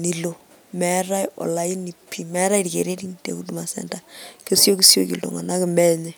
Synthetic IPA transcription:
ni˨lo˨ | mɛ˨˦ɾa˦jɔ̰˨la˨i˦ni˨pʰːi˨mɛ˦ɾa˦i˦ɾi˨kḛ˨ɾe˦ɾi˦ŋtḛ˨ku˦du˦ma˨sɛ̰˨nda˦ke˦sjo˦ki˦sjo˦ki˨ldo̰˨ŋa˨na˦kɪ˨mbɛ˦ɲɛ˦

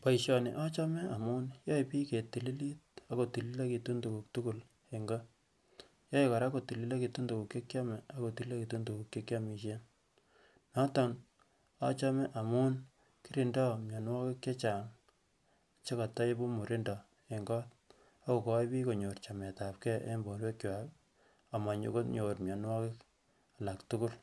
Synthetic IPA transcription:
pa˨iʃjɔ˨nɪ˨ʔa˦t͡ʃɔ˦mɛ˦a˨mʊ˦njɔ˦ipiː˦ke˨tːi˨li˦li˦t̚a˦ko˨ti˨li˦la˦ki˨tu˦ntuku˨k̚tu˦ku˨l | e˨ŋɡa˦ | jɔ˦jka˨ɾa˦ko˨ti˨li˦la˦ki˨tu˦ndu˨ku˨kːe˦kja˦mɛ˨a˦ko˨ti˨li˦la˦ki˨tu˦ntu˨ku˨kke˦kʲja˦mi˨ʃ̬e˦n | nɔ˦tɔ˨n | a̰˦t͡ʃa˦mɛ˦ʔa˨mu˦n | ki˦ɾi˨ndɔ˦mja˨nwɔ˦kɪ˦kje˦t͡ʃa˨ŋ˨ | t͡ʃe˦ka˨ta˦e˦bo˦mu˨ɾi˦ndɔ˨ | e˨ŋɡɔ˦t̚ | a˦ko˨kɔ˦jbi˦ko˨ɲo˨rt͡ʃa˨mɛ˨ta˨p̚kɛ˦ʔḛ˦mbo˨nwe˦kja˨k | a˨ma˨ɲo̰˨ko˦tɲo˨rmja˨nwɔ˦kɪ˦k | a˨la˨ktu˦kʊ˦l

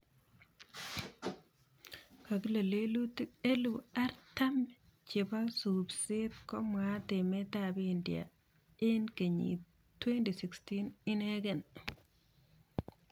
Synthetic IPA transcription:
ka˨kle˨le˦lu˦te˦lu˨a˦ɾta˦m | t͡ʃɪ˨ba˦subse˦tkɔ˦ma˦te˨me˦tabiːndia̰ | e˦nke˨ɲḭ | twe˦nti˨si˨kstinɪ˦ne˦ɡe˨n

